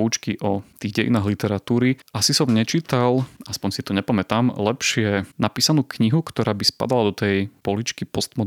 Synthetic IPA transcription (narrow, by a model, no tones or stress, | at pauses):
ut͡ʃkiʔɔt̪iːɣɟɛjḭnaːɦlit̪ɛɾat̪uːɾiʔasisɔmɲɛt͡ʃit̪alʔaspɔɲsit̪ɔɲɛpamɛt̪aːmlɛpʃɪɛnapiːsanuːkɲiɦukt̪ɔɾaːbispa̰d̪alad̪ɔt̪ɛjpɔlit͡ʃkipɔst̪mɔ